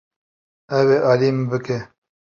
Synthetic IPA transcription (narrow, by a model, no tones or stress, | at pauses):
ɛweːʔɑːlimbɨke